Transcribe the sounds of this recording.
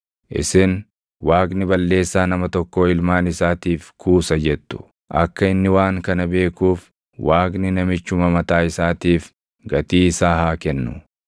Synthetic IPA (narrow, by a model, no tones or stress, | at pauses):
ʔɪ̰sɪn | waːɡnɪbɐlːe̞ːsːaːnɐmɐt̪ɔkːo̞ːɪlmaːnɪsaːt̪iːfkʰuːsɐd͡ʒɛt̪ːʊ̥ | ʔɐ̰kːɐɪnːɪwaːŋkɐnɐbe̞ːkuːf | wʔaːknɪnɐmɪt͡ʃːʊmɐmɐt̪aːɪsaːt̪iːf | ɡɐt̪iːɪsaːhaːkɛnːʊ̰